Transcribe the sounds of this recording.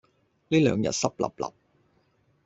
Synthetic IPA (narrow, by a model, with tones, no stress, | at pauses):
liː˥lœː˨˧ŋjɐ̰˨t̚sɐ˥p̚lɐ̰˨˩p̚lɐ̰˨p̚